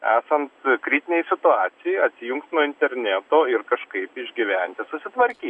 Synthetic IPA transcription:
æːsɐnt̪kɾʲiːt̪ʲɪnʲɛjsʲɪt̪ʊɑːt̪sʲɪjɛɪɐt̪ʲsʲɪjʊŋkst̪nuɔɪnʲt̪ʲɛɾʲnʲæːt̪oːɪɾkɐʃkɐɪpɪʒʲɡʲɪʋʲɛnʲt̪ʲɪsʊsʲɪt̪ʋɐɾʲkʲiː

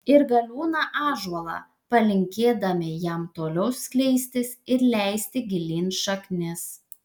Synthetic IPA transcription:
ɪɾɡɐlʲuːnɑʔɑːʒuɐlˠɑ̰ | pɐlʲɪŋʲkʲeːd̪ɐmʲɪjɛmt̪oːlʲɛʊsʲkʲlʲɛɪsʲt̪ʲɪsɪɾlʲɛɪsʲt̪ʲɪɡʲɪlʲiːnʃɐknʲɪs

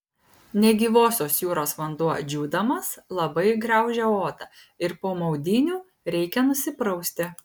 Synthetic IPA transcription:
nʲɛɡʲiːʋoːsʲoːsjuːɾoːsʋɐnd̪uɔd͡ʒʲuːd̪ɐmɐslˠɐbɐɪɡɾɑˑʊʒʲɛoːt̪ɐ | ɪɾpoːmɒʊd̪ʲɪnʲuː | ɾʲɛɪkʲɛnʊsʲɪpɾɐʊsʲt̪ʲɪ

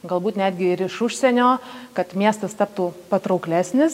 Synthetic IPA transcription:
ɡɐlˠbuːt̪nʲæːd̪ʲɡʲɪɪɾɪʃʊʃʲsʲɛnʲoːkɐt̪mʲiɛst̪ɐst̪ɐp̚t̪uːpɐt̪ɾɐʊklʲæːsʲnʲɪs

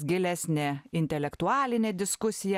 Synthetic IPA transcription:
ɡʲɪlʲæsʲnʲeːɪnʲt̪ʲɛlʲɛkt̪ʊɑːlʲɪnʲeːd̪ʲɪskʊsʲɪjɛ

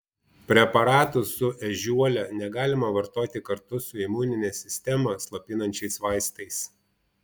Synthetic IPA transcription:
pʲɾʲɛpɐɾɑːt̪ʊsʊʔɛʒʲuɔlʲɛnʲɛɡɑːlʲɪmɐʋɐɾt̪oːt̪ʲɪkɐɾt̪ʊsʊɪmuːnʲɪnʲɛsʲɪsʲt̪ʲɛmɐslˠɐpʲɪnɐnʲt͡ʃʲɛɪsʋɑˑɪst̪ɐɪs

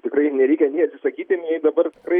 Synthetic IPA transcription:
t̪ʲɪkrɐɪnʲɛɾʲiːkʲɛnʲɛɪɐt̪ʲsʲɪsɐkʲiːt̪ʲɪmʲjɛɪd̪ɐbɐrt̪ʲɪkrɐɪ

